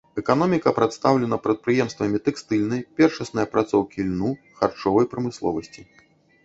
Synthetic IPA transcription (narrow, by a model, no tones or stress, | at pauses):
ɛkanɔmʲikɐpɾat̪st̪awlʲɛnɐpɾɐt̪̚pɾɨjɛmst̪vɐmʲit̪ɛkst̪ɨlʲnɐjpʲɛrʂɐsnɨjɐpɾʔat̪sɔwkʲilʲnu | xart͡ʂɔvɐjpɾɐmɨslˠɔ̰vɐsʲt͡sʲi